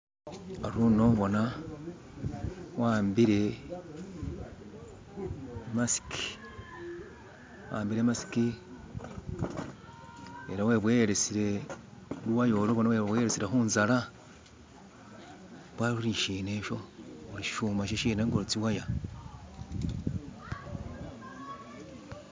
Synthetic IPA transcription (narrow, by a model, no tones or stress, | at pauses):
aɾuno̞βo̞na | waːmbiɾe̞ | masi̥ki̥ | wa̰ːmbiɾe̞masi̥ki | eɾaweβweɾesiɾe̞ | luwajoloβonaweβweɾesiɾexuːnzaɾa | βwauɾiʃine̞ʃo̞uɾiʃʃuːmaʃ̬eʃiːneŋɡoɾit͡siwaja